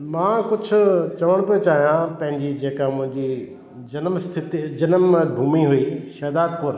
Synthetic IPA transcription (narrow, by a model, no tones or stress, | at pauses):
mãːkʊd͡ʑʰʱʊ̆t͡ɕɐʋəɽ̃piot͡ɕaːɦijãpɐ̃ɦɪ̃ɲd͡ʑid͡ʑeːkamʊ̃ɦɪ̃ɲd͡ʑi | d͡ʑɐnmst̪ʰɪt̪id͡ʑɐnəmbʱuːmiɦuiʃɐːd̪aːd̪̚pʊɾ